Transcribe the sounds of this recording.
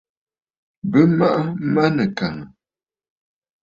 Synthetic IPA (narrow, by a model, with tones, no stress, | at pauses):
bə˦ma˦ʔa˦ma˦nə˨ka˨ŋə˨